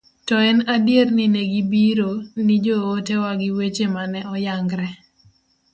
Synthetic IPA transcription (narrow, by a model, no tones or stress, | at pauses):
tɔɛnadjernineɡibiɾonid͡ʒɔotewaɡɪwet͡ʃemanɛɔjaŋɡɾɛ